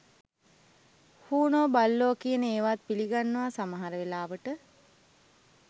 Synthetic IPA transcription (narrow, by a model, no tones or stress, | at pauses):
huːnoːbalːoːkijənəeːʋaːt̪̚piliɡanːəʋasaməɦaɾəʋelaːʋəʈə